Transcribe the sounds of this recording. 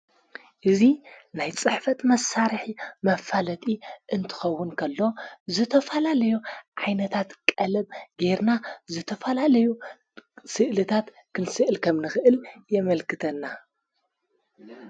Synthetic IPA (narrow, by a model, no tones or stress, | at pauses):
ʔɨzinajt͡sʼɨħfɐt̪mɐsaɾħimɐfalɐt̪ʼiʔɨnt̪ʰɨ̥xɐwːʊnkʰɐlːo̞zɨt̪ʰɐfɐlalɐjuʕajnɐt̪ʰat̪kʼɐlɐbɡeɾnazɨt̪ʰɐfɐlalɐju | sɨʔlɨt̪ʰat̪ | kʰɨnsɨʔɨlkʰɐmnɨxɨʔɨljɛmɐlkɨt̪ʰɐnːa